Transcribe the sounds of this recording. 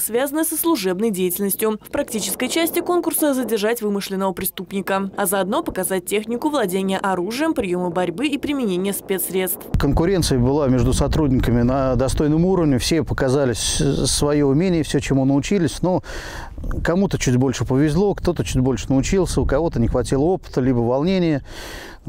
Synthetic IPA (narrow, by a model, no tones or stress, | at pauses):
svʲazənəsəslˠʊʐɛbnəjdʲejɪtʲɪlʲnəsʲtʲjʊfpɾɐk̚tʲit͡ɕɪ̥skəjt͡ɕæsʲtʲɪko̞nkʊrsəzədʲɪrʐatʲvɨmɨʂlʲɪnːəvəpɾʲɪst̪upnʲɪkəɐzəɐd̪no̞pəkɐzat̚ʲtʲːexnʲɪkʊvlˠɐdʲenʲɪjəʔɐɾuʐɨjəmpɾʲɪjoməbɐɾʲbɨipɾʲɪmʲɪnʲenʲɪjəspʲe̞t̪sɾʲe̞t̪st̪fkənkʊɾʲe̞nsɨjəbɨlˠamʲe̞ʐd̪ʊsɐt̪ɾudʲnʲɪkəmʲɪnəd̪ɐst̪o̞jnəmuɾəvnʲɪfsʲe̞pəkɐzalʲɪsʲsvɐjoʊmʲenʲɪjəfsʲot͡ɕɪmunəʊt͡ɕilʲɪsʲno | kɐmut̪ət͡ɕʉdʲbo̞lʲʂɨpəvʲɪzlˠo̞kt̪o̞t̪ət͡ɕʉdʲbo̞lʲʂɨnəʊt͡ɕilˠsʲəʊkɐvo̞t̪ənʲɪxvɐtʲilˠəo̞pɨ̥t̪əlʲibəvɐlˠnʲenʲɪjə